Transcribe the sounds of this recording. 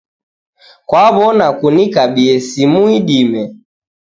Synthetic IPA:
kwaβɔnakunikaɓiɛsimuiɗimɛ

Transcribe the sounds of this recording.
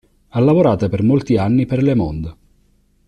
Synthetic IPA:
alːavoɾaːt̪apermolt̪ianːiperlemɔnd̪

